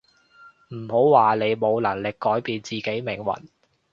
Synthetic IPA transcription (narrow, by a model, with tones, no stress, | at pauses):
m̩˨˩ho˨˥wwaː˨ne˨˧jmo˨˧wlɐ˨˩ŋlɪ˨kːɔː˨˥jpiː˧nt͡siː˨ke˨˥jmɪ˨˩ŋwɐ̰˨˩n